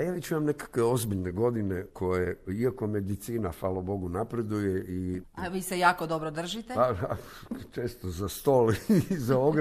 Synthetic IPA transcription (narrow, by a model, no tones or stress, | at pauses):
jaːʋet͡ɕimamne̞kḁkʋeo̞zbiʎne̞ɡo̞d̪ine̞kʰo̞jeiako̞me̞d̪it̪siːnafaːlobo̞ɡunapɾe̞d̪ujeʔiaʋiːsejaːkod̪obɾod̪r̩ʒit̪epaat͡ʃeːst̪ozast̪oːlizaoɡ